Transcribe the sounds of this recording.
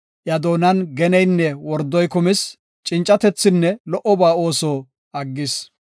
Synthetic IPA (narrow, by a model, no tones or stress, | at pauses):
ʔjɐd̪o̞ːnɐnɡɛnɛjnːɛwɔɾd̪ːɔjkʊmɪs | t͡ʃʼɪnt͡ʃʼːɐt̪ɛt͡sːɪnːɛlɔʔːɔbaːo̞ːsoː | ɐɡːɪs